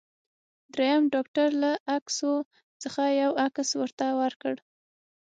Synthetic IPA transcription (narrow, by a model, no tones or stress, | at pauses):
d̪ɾejamɖɑkʈaɾlaakso | t͡səxajawakswəɾt̪awaɾkəɽ